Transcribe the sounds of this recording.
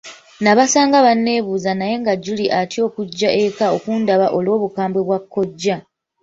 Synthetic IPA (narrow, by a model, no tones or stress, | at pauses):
naβasaːŋɡaβanːe̞ːβuːzanaje̞ŋɡaɟːuliʔatjo̞ːkuɟːaʔe̞kao̞kundaβaʔo̞lwo̞ːβukaːmbwe̞βwakːo̞ɟːa